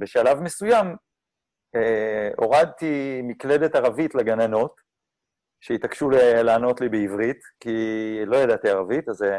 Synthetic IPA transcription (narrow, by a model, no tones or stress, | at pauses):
beʃalavmesujam | eo̞ʁad̪̚t̪imikle̞detaʁavitleɡanano̞t̪ | ʃeitakʃulelaːno̞t̪libeivʁit̪kilo̞jadat̪iaʁavit̪aze